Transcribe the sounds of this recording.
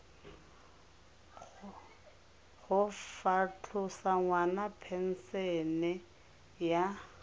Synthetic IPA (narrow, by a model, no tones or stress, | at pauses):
ɣʊfat͡ɬʰʊsaŋwanapʰɛn̩sɛnɪ | ja